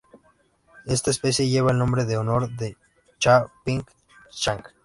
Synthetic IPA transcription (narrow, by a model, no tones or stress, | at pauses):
est̪aespesjeʝeβaelnombɾeðeonoɾðe | t͡ʃapiŋk | t͡ʃaŋk